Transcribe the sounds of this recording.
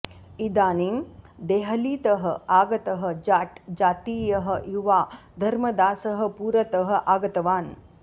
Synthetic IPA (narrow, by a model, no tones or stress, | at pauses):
id̪aːniːmd̪eːɦɐliːt̪ɐɦɐaːɡɐt̪ɐɦə̆d͡ʒaːʈd͡ʒaːt̪iːjɐɦɐjuʋaː | d̪ʱɐɾmɐd̪aːsɐɦɐ̆puːɾɐt̪ɐɦə̆ʔaːɡɐt̪ɐʋaːn